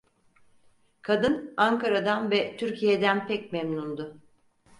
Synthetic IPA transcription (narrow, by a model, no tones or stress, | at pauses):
kʰad̪ɯnaŋkʰaɾad̪anvɛt̪ʰyɾcʰijed̪ænpʰɛcmɛmnund̪ʊ